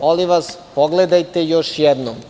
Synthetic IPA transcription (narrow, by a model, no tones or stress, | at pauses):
oliʋaspoɡled̪ajt̪ejoʃjɛd̪nom